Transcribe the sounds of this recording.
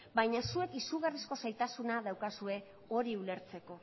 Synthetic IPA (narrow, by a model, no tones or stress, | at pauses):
bajɲasue̞kisuɣarisko̞sajt̪asunaðawkasue̞ | o̞ɾiule̞ɾt͡se̞ko̞